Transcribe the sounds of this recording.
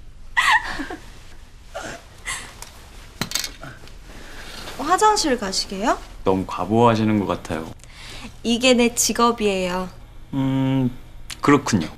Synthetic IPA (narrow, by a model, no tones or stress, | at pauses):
ɸwad͡ʑʌŋɕʰiɾɭkaɕʰiɡejonʌmukaboɦaɕ̬ʰinɯnɡʌk͈atʰa̰jo̰ | iɡe̞ne̞t͡ɕiɡʌbie̞jo | ɯ | kɯɾʌkʰuɲo